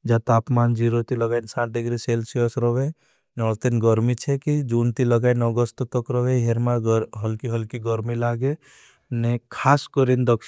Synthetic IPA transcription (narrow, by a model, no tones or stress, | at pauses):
d͡ʒat̪aːpmaːnd͡ʒiɾot̪ilɔɡajnsãːʈ̚ɖɪɡɾiselsijɔsɾɔʋe | nɔlt̪inɡɔɾmit͡ʃʰɛkid͡ʒunt̪iləɡaːjnɔɡɔst̪t̪ɔkɾɔʋeɦeɾmaɦɔlkiɦəlkiɡɔɾmilaːɡe | nekʰaːskɔɾind̪ɔkʃ